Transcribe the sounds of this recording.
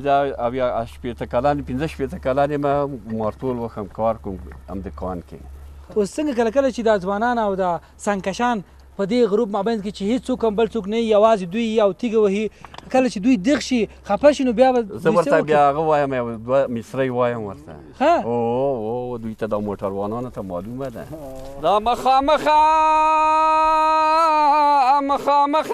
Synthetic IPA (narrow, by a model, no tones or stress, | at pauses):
d̪aawjɑʃpet̪akalanpɪnzəʃpet̪əkalanemamɑɾt̪olwəxamkɑɾkuma̰md̪əkɑ̰nkḛost͡səŋɡakəlakəlat͡ʃed̪ɑzwɑnɑnawd̪a | saŋkaʃɑn | pəd̪eɣʊɾupmɑbajnd̪ket͡ʃehed͡ʒt͡sokambəlsoknajijawɑzed̪ujawt̪iɡawahikəlat͡ʃed̪ujd̪ɪɣʃi | xapaʃinobjɑbazəuwaɾst̪abjɑːɣawɑjəmjawd̪wamɪsɾəjwɑjəmwə̰ɾt̪a̰ | xaood̪ujt̪ad̪ɑmoʈaɾwɑ̰nɑnot̪amɑ̰lumad̪a̰d̪ɑmaxɑməxa | maxɑməx